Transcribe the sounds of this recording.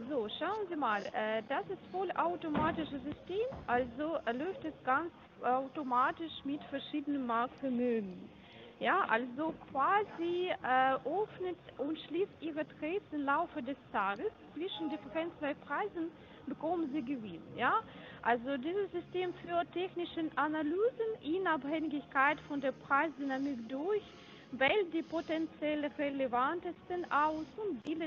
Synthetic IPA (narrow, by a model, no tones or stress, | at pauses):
zoːʃaʊənziːmaːlʔɛːdasɪstfɔlaʊtomaːtɪʃəzʏsteːmʔalzolɔʏftɛsɡ̥ant͡s | aʊtomaːtɪʃmɪtfɛɐʃiːdənənmaɐk̚fɛɐmøːɡŋ̩ | jaːʔalzokv̥aːziʔɛːʔœfnətʔʊntʃliːstʔiːʁətʁɛːsɪmlaʊfədɛstʰaːɡəst͡sv̥ɪʃn̩dɪfəʁɛnt͡sb̥aɪpʁ̥aɪzn̩ | b̥əkʰɔmənziːɡəvɪnənjaːʔalzodiːzəsz̥ʏsteːmfyːɐtʰɛçnɪʃəʔanalyːzənʔʊnaphɛŋɡɪçkaɪtfɔndeːɐpʁ̥aɪsdynamɪkdʊɐç | vɛl̚d̥iːpotɛnt͡sjɛlʁelevantəstənʔaʊsʊntb̥ɪlə